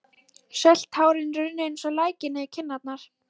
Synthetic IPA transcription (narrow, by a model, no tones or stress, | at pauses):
sɛl̥t̪haːwɾɪnɾʏðnejnsɔlaːjcɪnɪðcʰɪnːat̪̚naɾ̥